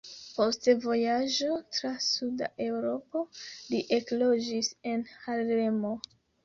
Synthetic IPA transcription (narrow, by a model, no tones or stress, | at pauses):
po̞stevo̞jad͡ʒo̞tɾasuda̰ʔe̞wɾo̞po̞liʔe̞klod͡ʒise̞nhale̞mo